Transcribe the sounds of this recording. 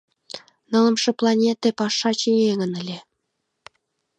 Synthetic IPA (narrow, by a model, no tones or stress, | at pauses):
nɤ̆lˠɤ̆mʃɤ̆plˠɑnʲet̪epɑʂɑt͡ɕinʲeŋə̆nɘ̆lʲe